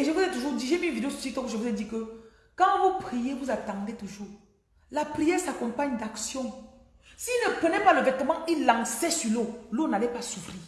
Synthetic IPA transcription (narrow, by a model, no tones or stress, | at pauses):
eʒevuzɛt̪uʒuʁdiʒepĩvideososit̪ɔ̃kʒevuzɛdikə | kãvupʁijevuzat̪ãdet̪uʒuːʁ | lapʁijɛʁsakɔ̃paɲd̪aksjɔ̃ | sinəpənɛpaləvɛt̪əmãilãŋsɛsyʁlolonalɛpasufʁiː